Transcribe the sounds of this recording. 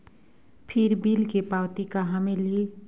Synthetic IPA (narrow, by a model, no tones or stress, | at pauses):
pʰɪɾbilkepawt̪ikaɦameli